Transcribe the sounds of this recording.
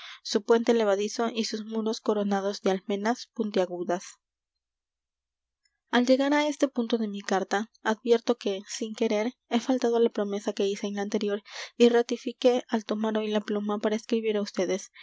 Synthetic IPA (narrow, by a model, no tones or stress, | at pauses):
supwe̞nt̪ele̞βaðiso̞ʔisusmuɾo̞sko̞ɾo̞nað̞o̞zðealmẽ̞naspunt̪jaɣuðas | ald͡ʒe̞ɣaɾae̞st̪e̞punt̪o̞ðe̞mikaɾt̪aaðbje̞ɾt̪o̞ke̞siŋke̞ɾe̞ɾe̞falt̪að̞olapɾo̞me̞sake̞ise̞ːnlaːnt̪e̞ɾjo̞ɾirat̪ifike̞alt̪o̞maɾo̞jlaplumapaɾaeskɾiβiɾaust̪e̞ðe̞s